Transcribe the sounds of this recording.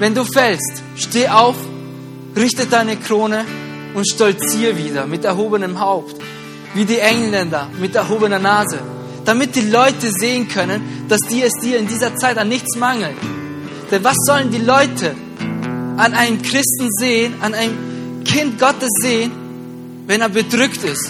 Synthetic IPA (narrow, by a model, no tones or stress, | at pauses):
vɛnduːfɛlst | ʃteːʔaʊf | ʁɪçtəd̥aɪnəkʁ̥oːnə | ʊntʃtɔlt͡siːviːdɐmɪtɛɐɦoːbənəmɦaʊpt | viːdiːʔɛŋlɛndɐmɪtɛɐɦoːbənɐnaːzə | d̥amɪt̚d̥iːlɔʏtəzeːənkʰœnənd̥asd̥iːɐɛsd̥iːɐɪndiːzɐt͡saɪtanːɪçt͡smaŋl̩t | d̥ɛnvasz̥ɔləndiːlɔʏtʰə | ʔanaɪnəmkʁ̥ɪstn̩zeːənanaɪnəm | kʰɪnt̚ɡ̥ɔtəsz̥eːən | vɛneːɐbədʁʏktɪst